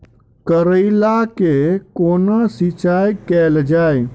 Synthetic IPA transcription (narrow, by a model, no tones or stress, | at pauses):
kəɾəɪlakekonasɪt͡ʃajkɛld͡ʒaːj